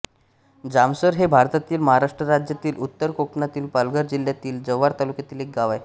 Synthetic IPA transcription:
d͡zamsəɾɦebʱaɾt̪at̪iːlməɦaɾaʂʈɾəɾad͡ʑjat̪iːlʔut̪ːəɾkoknat̪iːlpəlɡəɾd͡ʑiljat̪iːld͡zəʋaɾt̪alukjat̪iːlek̚ɡaʋaj

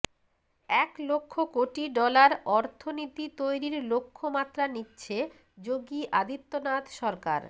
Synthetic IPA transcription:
ɛklokʰːokoʈiɖɔlaɾɔɾt̪ʰonit̪it̪ojɾiɾlokʰːomat̪ːɾanitːɕʰe | d͡ʑoɡiʔad̪it̪ːonat̪ʃɔɾka̰ɾ

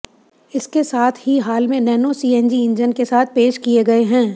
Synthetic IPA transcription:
ɪskesaːt̪ʰɦiɦaːlmẽnɛːnosiːɛ̃nd͡ʒiɪ̃nd͡ʒənkesaːt̪̚ʰpeːʃkieɡɐeɦɛ̃ː

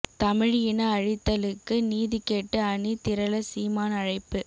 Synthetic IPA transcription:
t̪ɐmɪɻɪjɪnɐɐɻɪt̪ːɐlɯkːɯniːðikeːʈːɯɐɳit̪ɪɾɐlɐsiːmaːnɐɻɐɪpːɯ

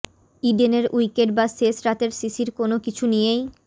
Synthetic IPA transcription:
iɖeneɾujkeɖ̚basesɾat̪eɾsisiɾkonokit͡ɕʰunijej

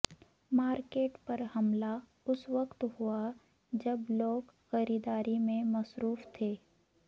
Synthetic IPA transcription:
maːɾkeːʈpɐɾhɐmla | ʊsʋɐqt̪hua | d͡ʒɐbloːɡxɐɾiːd̪aːɾimẽmɐsɾuːft̪ʰeː

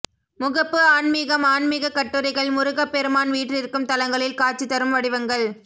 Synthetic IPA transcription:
mʊɣɐpːɯaːnmiːɣɐmaːɳmiːɣɐkːɐʈːɯɾɐɪɣɐɭmʊɾʊɣɐpːɛɾɯmaːnʋiːʈrɪɾɯkːɯmt̪ɐlɐŋɡɐɭɪlkaːt͡ʃːɯt̪ːɐɾɯmʋɐɽɪʋɐŋɡɐɭ

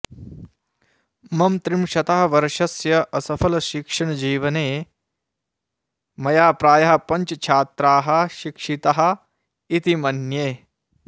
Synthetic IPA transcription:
mɐmt̪ɾimʃɐt̪aɦɐ̆ʋɐɾʂɐsjɐʔɐsɐpʰɐlɐʃikʂɐɳɐd͡ʒiːʋɐneː | mɐjaːpɾaːjɐɦɐpɐɲt͡ʃɐt͡ʃʰaːt̪ɾaːɦɐ̆ʃikʂit̪aɦɐ̆ | it̪imɐnjeː

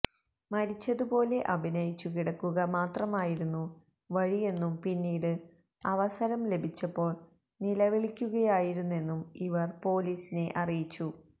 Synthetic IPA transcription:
mɐɾit͡ɕːɐðupo̞ːle̞ʔɐbʱinɐjit͡ɕːukiɽɐkːuɣɐmaːt̪rɐmaːjiɾunːu | ʋɐɻije̞nːumpinːiːɽɨ | ɐʋɐsɐɾɐmle̞bʱit͡ɕːɐpːo̞ːɭ | nilɐʋiɭikʲːuɣɐjaːjiɾunːue̞nːumiʋɐrpo̞ːliːsine̞ʔɐrijit͡ɕːu

